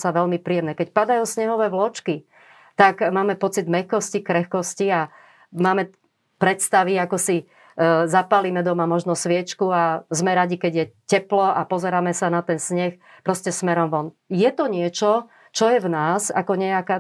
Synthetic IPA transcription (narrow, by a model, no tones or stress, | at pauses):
saʋɛlmipɾijɛmnɛːkɛcpad̪ajuːsɲɛɦɔʋɛːʋlɔt͡ʃki | t̪aɡmaːmɛpɔt͡sid̪mɛxkɔscikɾɛxkɔscia | maːmɛ | pɾɛt̪st̪aʋiakɔsi | zapaliːmɛd̪ɔmamɔʒnɔsʋɪɛt͡ʃkuazmɛɾaɟikɛɟjɛcɛplɔapɔzɛɾaːmɛsanat̪ɛnsɲɛx | pɾɔscɛsmɛɾɔmʋɔnjɛt̪ɔɲɪɛt͡ʃɔ | t͡ʃɔjɛvnaːsa̰kɔɲɛakaː